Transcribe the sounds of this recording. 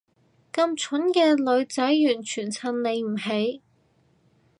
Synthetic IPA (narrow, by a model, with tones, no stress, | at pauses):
kɐ˧mt͡ʃʰʊ˨˥nkɛː˧lɵ˨˧ɥt͡sɐ˨˥jjyː˨˩nt͡ʃʰyː˨˩nt͡sʰɐ˨˩nle˨˧jm̩˨˩ɦe˨˥j